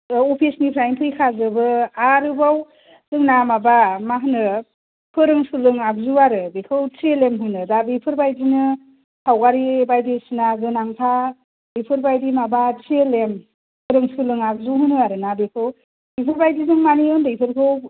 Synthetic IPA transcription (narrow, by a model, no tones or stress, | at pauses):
opʰisnipʰɾajnpʰɯjkʰazɯbɯaɾɯbaw | z̥ɯŋnamabamaɦɯnɯ | pʰɯɾɯŋsɯlɯŋak̚zuaɾɯbekʰɯwt͡ʃelemɦɯnɯdabipʰɯɾbajdinɯ | hawɡaɾibajdisinaɡɯnaŋpʰa | bipʰɯɾbajdimabat͡ʃelem | pʰɯɾɯŋsɯlɯŋak̚zuɦɯnɯaɾɯnabekʰɯw | bipʰɯɾbajdizɯŋmaniɯndɯjpʰɯɾkʰɯw